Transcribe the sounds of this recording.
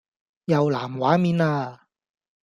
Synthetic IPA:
jɐ˨wlaː˨˩mwaː˨˥miː˨˧naː˧

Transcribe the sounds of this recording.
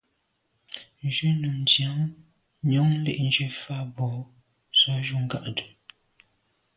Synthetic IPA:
n˨d͡ʒʉ˦nu˨mdja˨˦ŋ | ɲɔ˨˦ŋ˦lḛ˦˨ʔn˨d͡ʒe˦fa˦˨bɔ˨˦ | zɔ˨˦ʒu˦ŋ̩˦ɡa̰˦ʔdu˨

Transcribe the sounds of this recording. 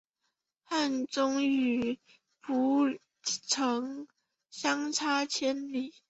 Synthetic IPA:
xa˥˩nt͡sʊ˥ŋy˨˩ | pʰu˧˥ | ʈ͡ʂʰɤ˧˦ŋ | ɕɑ˥ŋt͡sʰa˥t͡ɕʰjɛ˥nli˨˩˦

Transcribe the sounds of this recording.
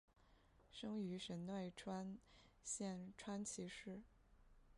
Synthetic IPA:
ʂɤ˥ŋy˧˥ʂə˧˥nnwe˥˩ɪʈ͡ʂʰwa˥nɕjɛ˥˩nʈ͡ʂʰwa˥nt͡ɕʰi˧˥ʂɻ̩˥˩

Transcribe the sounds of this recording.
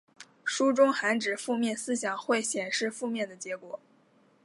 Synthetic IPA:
ʂu˥ʈ͡ʂʊ˥ŋxa˧˥nʈ͡ʂɻ̩˨˩fu˥˧mjɛ˥˩nsɹ̩˥ɕjɑ˨˩ŋxwe˥˩ɪɕjɛ˨˩nʂɻ̩˥˧fu˥˧mjɛ˥˩nd̪ə˩t͡ɕjɛ˧˥kwɔ˨˩˦

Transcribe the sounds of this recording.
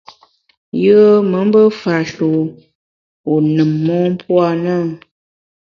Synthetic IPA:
jə˦mə˨˦m˦bə˦fa˨ʃu˨ | o˨nɨ˨mːɔ˦m˦pwa˦˨nə˦˨

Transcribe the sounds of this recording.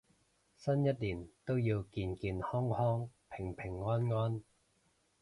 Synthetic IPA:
sɐ˥njɐ˥t̚liː˨˩nt̪o˥wjiː˧wkiː˧nkiː˧nhɔː˥ŋhɔː˥ŋpʰɪ˨˩ŋpʰɪ˨˩ŋːɔː˥nŋɔː˥n

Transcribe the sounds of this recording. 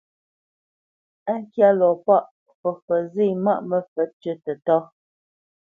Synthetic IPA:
a˦ŋ˦kja˦lɔ˨pa˦˨ʔ | fɔ˨fə˨zi˦˨ma˦˨ʔmə˦fə˨˦t͡ʃə˦tə˨tɔ˦

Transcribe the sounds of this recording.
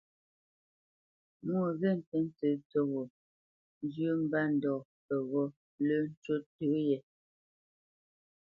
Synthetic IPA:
mo˨ɣe˦˨n̩˨tɛ˦n̩˦t͡sə˦t͡so˦ɣo˨ | n˦d͡ʒjə˦m̩˦ba˦n̩˨dɔ˨ | pɛ˨ɣɔ˦ | lə˦n̩˦t͡ʃo˦tə˨˦jɛ˨

